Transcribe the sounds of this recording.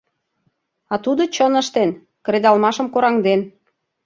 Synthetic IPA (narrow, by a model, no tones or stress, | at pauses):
ɑt̪ud̪ot͡ɕənə̆ʃt̪en | kɾed̪ɑlmɑʃə̆mkoɾɑŋd̪en